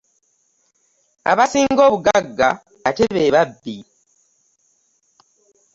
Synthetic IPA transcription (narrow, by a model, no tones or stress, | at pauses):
a̰βasiːŋɡo̞ːβuɡaɡːaː | te̞βeβabːi